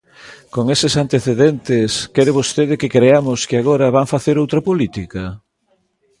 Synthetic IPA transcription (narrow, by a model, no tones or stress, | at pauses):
koŋesɪsant̪eθeðɛnt̪ɪskɛɾeβost̪eð̞ɪkɪkɾeamʊskɪaɣ̞oɾɐβaŋfaθeɾowt̪ɾɐpolit̪ika